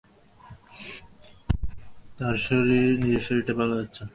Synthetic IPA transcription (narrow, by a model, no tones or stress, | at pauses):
t̪aɾʃoɾinid͡ʑeʃoɾiʈabalad͡ʑatːɕʰe